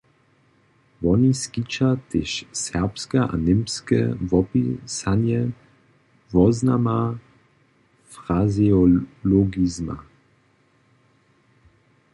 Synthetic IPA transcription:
vɔniskit͡ʃat̪ɪʃsɛʁpskɛʔa̰nɪmskɛ̰vɔpisanjɛ | vɔznama | fʁaziɔlɔɡizma̰

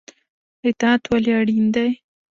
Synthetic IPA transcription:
ɪt̪ɑat̪waljaɽind̪aj

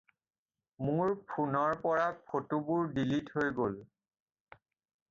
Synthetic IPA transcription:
mʊɹpʰunɔɹpɔɹapʰotubʊɹdilithojɡol

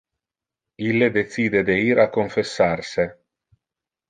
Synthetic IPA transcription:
ilːed̪et̪siːd̪ed̪eiːɾakːoɱfesːarse

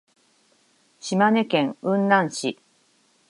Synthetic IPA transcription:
ɕimane̞kẽ̞ŋɯ̟̃nːãɰ̃ɕi

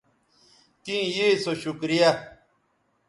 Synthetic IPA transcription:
t̪ĩːjisoɕukɾija

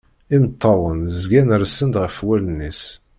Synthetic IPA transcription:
imt̪ʰˤːɑwənzɡænɾsənd̪ʁəfwælənːis

